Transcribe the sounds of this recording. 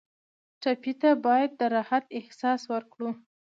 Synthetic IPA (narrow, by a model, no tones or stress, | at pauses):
ʈapit̪abɑjad̪ːəɾɑhat̪ɪhsɑswəɾkɽu